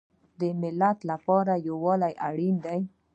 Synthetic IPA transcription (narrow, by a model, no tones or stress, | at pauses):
d̪əmɪlat̪lapɑɾajawɑlajʔaɽind̪aj